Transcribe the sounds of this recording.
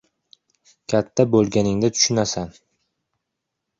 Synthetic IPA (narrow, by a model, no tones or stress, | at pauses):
kʲʰat̪ʰːabolˠɡʲanɪŋd̪at̪ʰʊ̥ʃʊnasan